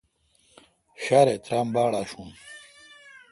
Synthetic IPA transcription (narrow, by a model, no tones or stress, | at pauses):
ɕaːɾet̪ɾaːmbaːɽaːɕum